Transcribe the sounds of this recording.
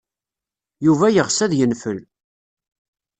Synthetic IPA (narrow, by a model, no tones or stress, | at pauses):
juvæjəʁsæðjənfəl